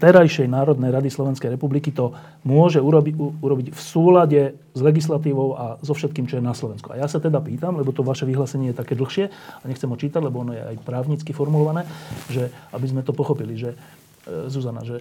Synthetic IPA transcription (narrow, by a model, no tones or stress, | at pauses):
t̪ɛɾajʃɛjnaːɾɔd̪nɛjɾad̪islɔʋɛnskɛjɾɛpublikit̪ɔ | mʊɔʒɛuɾbiuuɾɔbicfsuːlaɟɛ | zlɛɡislat̪iːʋɔʊʔazɔfʃɛt̪̚kiːmt͡ʃɔjɛnaslɔʋɛnskua̰jasat̪ɛd̪apiːt̪amlɛbɔt̪ɔʋaʃɛʋiɦlaːsɛɲɪɛjɛt̪akɛːd̪l̩xʃɪɛaɲɛxt͡sɛmɦɔt͡ʃiːt̪aɟlɛbɔɔnɔjɛʔa̰jpɾaːʊɲit͡skifɔɾmulɔʋanɛːʒɛabizmɛt̪ɔpɔxɔpiliʒɛ | zuzana̰ʒɛ